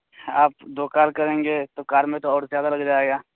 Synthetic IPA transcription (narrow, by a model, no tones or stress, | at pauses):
aːp̚d̪oːkaːlkɐɾẽːŋɡeːt̪okaːɾmẽt̪oɔːɾzjaːd̪alɐɡd͡ʒaːeːɡaː